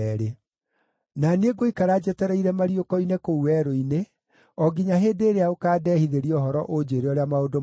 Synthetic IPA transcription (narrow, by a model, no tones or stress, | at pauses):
ɛɾe | naneɡoikaɾad͡ʑɛtɛɾɛiɾɛmaɾiokɔinekouwɛɾoine | ɔɡiɲaɦeːdeːɾeaokaːdɛhiðeɾiɔɦɔɾɔʔod͡ʑeɾeɔɾeamaodo